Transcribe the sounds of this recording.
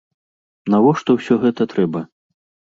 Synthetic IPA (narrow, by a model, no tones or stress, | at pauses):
navɔʂt̪ɔwsʲɔɣɛt̪ɐt̪ɾɛbɐ